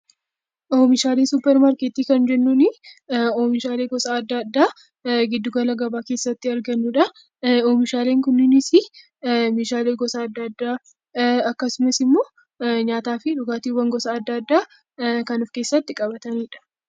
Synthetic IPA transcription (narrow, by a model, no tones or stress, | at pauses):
ʔoːmɪʃaːlesʊpːɛɾmaɾkeːt̪iːkɐnd͡ʒɛnːuːnɪoːmɪʃaːleːɡɔsaːd̪ːɐd̪ːaː | ɡɪd̪ːʊɡɐlɐɡɐbaːkeːsːɐt̪ːɪɐɾɡɐnːuːᶑɐ | oːmɪʃaːleːŋkʊnːɪnɪsɪ | meːʃaːleːɡɔsaːd̪ːɐd̪ːaː | ɐkːɐsʊmɐsɪmːo̞ː | ɲaːt̪aːfɪᶑʊɡaːt̪iwɐŋɡɔsɐːd̪ːɐːd̪ːaː | kɐnʊfke̞ːsːɐt̪ːɪkʼɐbɐt̪ɐniːᶑɐ̥